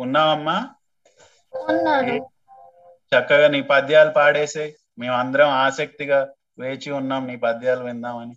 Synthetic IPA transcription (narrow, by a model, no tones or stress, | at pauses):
unːaːmɐmːaː | ɐnːaːu | t͡ʃɐkːɐɡaːniːpɐd̪ʱjaːlupaːɽeːseː | me̞ːmɐnd̪ɐɾɐmaːsɐk̚t̪iɡaː | ʋe̞ːt͡ʃiunːaːmniːpɐd̪ʱjaːluʋind̪aːmɐni